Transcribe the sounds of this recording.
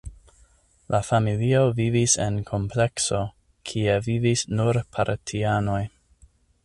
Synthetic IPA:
lʔafamilio̞vivisḛnkʰo̞mple̞kso̞ | kʰie̞vivisnuɾpʰaɾtʰiano̞j

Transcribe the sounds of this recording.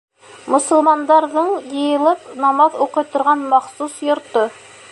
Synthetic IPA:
mŏsŏlˠmɑnd̪ɑɾðɤɴjɤ̆jɤ̆lˠɤpnɑmɑðuqɤ̆jt̪ŏɾʁɑnmɑχsusjŏɾt̪o

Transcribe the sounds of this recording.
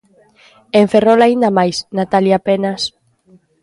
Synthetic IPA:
eɱferolaind̪amajsnat̪aljapenas

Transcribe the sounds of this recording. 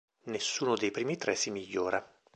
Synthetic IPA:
nesːuːnod̪ejpɾiːmit̪ɾɛsimiʎːoːɾa

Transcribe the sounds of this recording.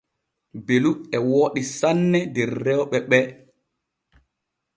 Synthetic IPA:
beluɛwoːɗisanːɛdɛɾːɛwɓɛɓɛ

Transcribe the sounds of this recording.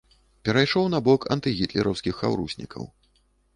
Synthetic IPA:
pʲɛɾajʂɔwnɐbɔkɐ̰nt̪ɨɣʲit̪lʲɛɾɐ̰wskʲixːawɾusʲnʲḭkʰɐ̰w

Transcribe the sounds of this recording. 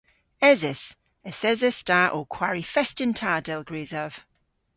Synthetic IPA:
ɛzɪs | əθɛzɛstaʔoːkʰw̥aɹifɛstɪntʰaːdɛlˠɡɹeːzəv̥

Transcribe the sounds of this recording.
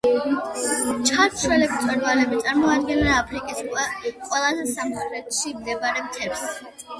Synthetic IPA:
t͡ʃʰaɾʃʰwɛlɛkʰt̪ʰʼɛɾvalɛbit̪sʼaɾmɔad̪̚ɡɛnaːpʰɾikʼisqʼwɛlˠazɛsamχɾɛt̪ʰʃimd̪ɛbaɾɛmt̪ʰɛps

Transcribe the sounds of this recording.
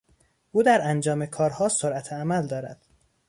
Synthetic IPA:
ʔuːd̪æɾænd͡ʒɒːmekʰɒːɾhɒːsoɾʔæt̪ʰeæmæld̪ɒːɾæ̰d̪̥

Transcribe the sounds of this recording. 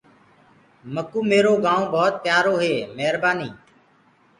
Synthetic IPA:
məkuːmeːɾoːɡãːõːbʱɔːt̪̚pjaːɾoːɦeːmɛɦɾbaːniː

